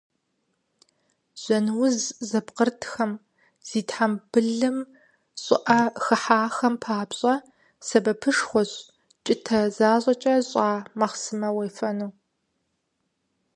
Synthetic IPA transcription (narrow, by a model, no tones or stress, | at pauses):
z̥ɔnwʊzzɐpqərtʰxɐm | z̥iːtħamb̥ɨɮɨm | ɕʼɪ̰ʔɐxɨħaːxɐmpʰaːpɕʼɐ | sɐbɐpʰɨʂxʷɔɕ | t͡ʃʼɪtʰɐzaːɕʼɐt͡ʃʼɐɕʼaːmɐχsɨmɐwejfɐnuː